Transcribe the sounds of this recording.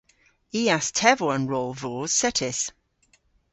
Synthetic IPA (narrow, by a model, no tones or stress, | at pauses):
iːɛstʰɛvɔə̃nɹoːlˠvɔːz̥sɛtʰɪs